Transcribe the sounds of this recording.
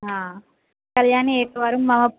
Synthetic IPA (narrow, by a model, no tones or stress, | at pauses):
ɦa | kɐljaːnieːkɐʋɐɾumːɐmɐ